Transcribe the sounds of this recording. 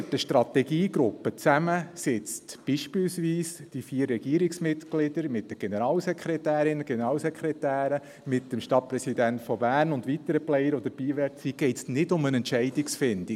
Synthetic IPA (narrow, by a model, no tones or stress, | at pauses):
təʃt̪ɾɑt̪ɛɡiːɡɾʊpːət͡sæməsɪt͡stb̥iʃpilsʋiːsd̥ifiːəɾːɛɡ̥iːəɾiksmɪtklɪdəɾmɪtːəɡ̥enəɾɑːlsɛkʰɾɛtæːɾɪnəɡ̥ɛnəɾɑːlsɛkʰχɾɛt̪æːɾə | mɪtːəmʃtɑt̚pɾɛsid̪æntfɔbæːrnʊndʋit̪əɾəplɛjəɾʋod̪əɾb̥iːʋɛɾt͡siːɡ̥ɛɪtsnɪdʊmənɛntt͡ʃɛɪdiksfɪnd̥i